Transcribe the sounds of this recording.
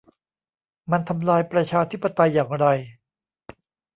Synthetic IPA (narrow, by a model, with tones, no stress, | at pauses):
ma˧nt̪ʰa˧mlaː˧jpɾa˧t͡ɕʰaː˧t̪ʰi˦˥pːa˧t̪a˧jːaː˨˩ŋɾa˧j